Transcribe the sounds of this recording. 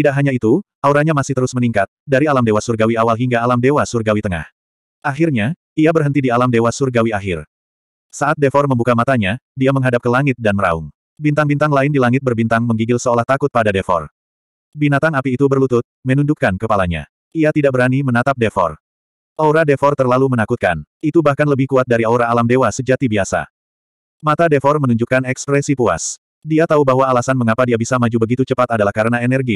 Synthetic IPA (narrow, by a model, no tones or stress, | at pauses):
t̪idaʔɦaɲait̪uʔauɾaɲamasɪht̪əɾʊsməniŋkat̪̚daɾialamdewasurɡawiawalɦiŋɡaːlamdewasurɡawit̪əŋa̰h | ʔaɦirɲa | iabərɦənt̪idialamdewasurɡawiaɦɪr | saʔat̪̚defɔrməmbukamat̪aɲadiaməŋɦadap̚kəlaŋɪt̪̚danməɾa̰ṵŋ | bint̪aŋbint̪aŋlaɪndilaŋɪt̪̚bərbint̪aŋməŋɡiɡɪlsəolaht̪akʊt̪̚padadefɔ̰r | binat̪aŋapiːt̪ubərlut̪ʊt̪̚mənuɲd͡ʒukːankəpalaɲa̰ | iat̪idaʔ̚bəɾanimənat̪ap̚defɔ̰r | ʔoɾadefɔrt̪ərlalumənakut̪̚kanit̪ubahkanləbɪhkuat̪̚daɾiaɾaːlamdewasəd͡ʒat̪ibiasa̰ | mat̪adefɔrmənuɲd͡ʒukanɛkspɾɛsipua̰s | diat̪aubaɦwaːlasanməŋapadiabisamad͡ʒubəɡit̪ut͡ʃəpat̪adalahkaɾənaɛnɛrɡi